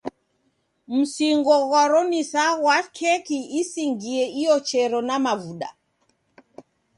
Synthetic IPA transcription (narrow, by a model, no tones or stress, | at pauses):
m̩siŋɡɔɣwaɾɔnisaɣwakʰɛkiisiŋɡiɛijɔt͡ʃɛɾɔnamavuɗa̰